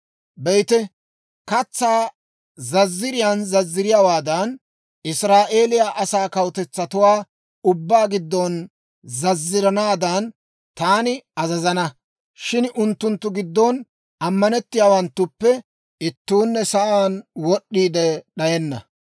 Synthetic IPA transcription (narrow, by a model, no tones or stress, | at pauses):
bɛjt̪ɛ | kɐt͡sːaː | zɐzːɪɾɪjanzɐzːɪɾɪjawaːd̪ɐn | ɪsɾaːʔe̞ːlɪjaʔɐsaːkɐwt̪ɛt͡sːɐt̪ʊwaː | ʊbːaːɡɪd̪ːɔn | zɐzːɪɾɐnaːd̪ɐn | t̪aːnɪɐzɐzɐnɐ | ʃɪnʔʊnt̪ːʊnt̪ːʊɡɪd̪ːɔn | ɐmːɐnɛt̪ːɪjaːwɐnt̪ːʊpːɛ | ɪt̪ːuːnːɛsɐʔaːnwɔɗːiːd̪ɛɗɐjɛnːɐ̰